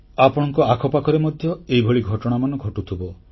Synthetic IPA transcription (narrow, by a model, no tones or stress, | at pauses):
apɔɽ̃ɔŋkɔakʰɔpakʰɔɾemɔd̪ʱjɔejbʱoɭiɡʱɔʈɔɽ̃amanɔɡʱɔʈut̪ʰibɔ